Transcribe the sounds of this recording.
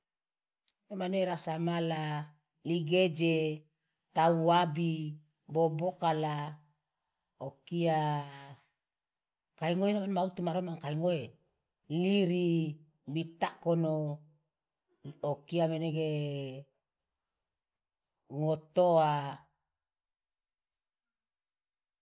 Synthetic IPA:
nomaneɾasamala | liɡed͡ʒe | tauabi | bobokala | okia | kaiŋoenamanmaut̪umaɾomaŋkajŋoe | liɾi | bit̪akono | okiameneɡe | ŋotoa

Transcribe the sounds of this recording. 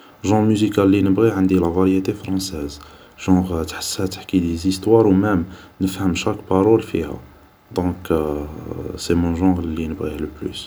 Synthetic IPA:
ʒɑ̃ʁmyzikalːinəbʁiʕənd̪ilævaɾjet̪efɾɑ̃sɛz | ʒ̥ɑ̃ʁt̪ħḁshæt̪ḁħkid̪ezist̪wɑɾwmæm | nəfhəmʃækpaɾˤɔlfḭhæ̰ | d̪ɔ̃k | semɔ̃ʒɑ̃ʁlːinəbʁihləply̰s

